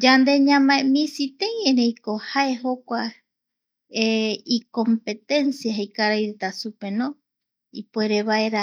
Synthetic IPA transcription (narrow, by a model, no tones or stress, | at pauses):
d͡ʒand̪e̞ɲãmãemĩsit̪ẽjẽɾejkohaeɦokʷa | eiko̞mpe̞t̪ẽ̞nsjaɦejkaɾajɾet̪asupe̞nõ | ipueɾeβae̞ɾa